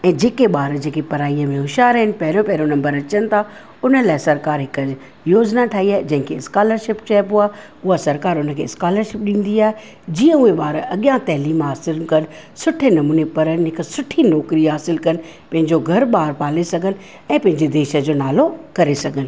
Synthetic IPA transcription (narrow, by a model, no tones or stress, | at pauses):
ɛ̃ːd͡ʑeːkeɓaːɾd͡ʑeːkepɐɾaːijəmẽɦʊʃaːɾɐɦɪnɪ̆pɐɦɪɾõpɐɦɪɾonɐ̃mbəɾɐt͡ɕənɪ̆t̪ʰa | ʊnəlaːɪsɐɾkaːɾɦɪkə | joːd͡ʑnaʈʰaːiaːed͡ʑɐ̃ɦɪ̃ŋkʰeɪskaːləɾʃɪp̚t͡ɕaːɪpɦuaː | ʊɦasɐɾkaːɾʊnəkʰḛːɪskaːləɾʃɪp̚ɗĩːn̆d̪iaːɦe | d͡ʑĩːə̃ʊeɓaːɾɐɠjãt̪ɐɦliːmɦaːsɪlkɐnɪ̆ | sʊʈʰenɐmuːnepɐɾənɪɦɪksʊʈʰinɔːkɾiɦaːsɪlkɐnɪ̆ | pɐ̃ɦɪ̃ɲd͡ʑoɡʱɐɾɓaːɾpaːlesɐɡʱənɪ̆ | ɛ̃ːpɐ̃ɦɪ̃ɲd͡ʑed̪eːʃə̆d͡ʑoːnaːlokɐɾesɐɡʱənɪ̆